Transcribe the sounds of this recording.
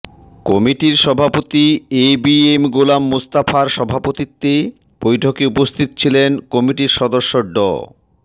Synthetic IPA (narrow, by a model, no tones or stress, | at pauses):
kɔmiʈiɾʃɔbʱapot̪iebiemɡolamːust̪afaɾʃɔbʱapot̪it̪ːe | b̥ojʈʰokeupost̪ʰit̪o̥t͡ɕʰilenkɔmiʈiɾʃɔd̪oʃːoɖɔ̰